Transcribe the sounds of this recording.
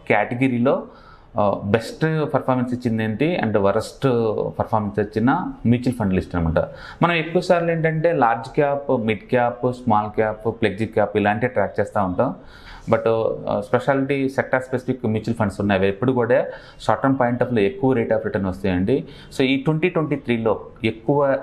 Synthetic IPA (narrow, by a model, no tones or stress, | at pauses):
kaːʈeɡɐɾiːlo̞ː | besʈpɐɾpʰaːɾmɐnsit͡ʃːind̪eːɳt̪iɐ̰ɳɖʋɐɾɐsʈpɐɾpʰaːɾmɐnsɐt͡ʃːinɐmjuːt͡ʃilpʰɐɳɖlisʈɐnɐmɐɳʈɐ̰ | mɐnɐme̞kːuʋɐsaːɾleːɳʈɐɳʈe̞ːlaːɾd͡ʒkaːpmiɖkjaːpsmaːlkaːppleɡ̚d͡ʒikjaːpilaːɳʈiʈɾaːk̚t͡ʃɛːst̪aːuɳʈaːm | bɐʈspeʃaːliʈisek̚ʈaɾspesipʰikːmjuːt͡ʃilpʰɐɳɖsunːaːjʋɐepːuɽukuːɽa | saːʈɐmpaːjiɳʈɐːpʰloːekːuʋɐɾeːʈaːpɾiʈɐɾnɐst̪unjɐɳɖi | soːiːʈʋeɳʈiːʈʋeɳʈiːt̪ʰɾiːlo̞ː | e̞kːuʋɐ